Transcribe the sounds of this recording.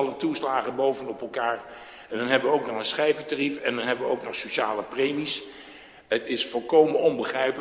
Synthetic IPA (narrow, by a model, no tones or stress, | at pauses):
ɑlətuslaːχənbowvənɔpɛlˠkaːɹ | ɛndɑnɦɛbəʋəowknɔχənsχɛjvəɹtarifɛndɑnɦɛbəʋəowknɔχsoʃaːləprejmis | ətɪsfɔlˠkowmənɔnbəχrɛjpə